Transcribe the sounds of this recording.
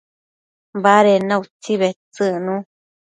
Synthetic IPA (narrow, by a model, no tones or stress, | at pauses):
mbaɾenãut͡siβet͡sɨnũ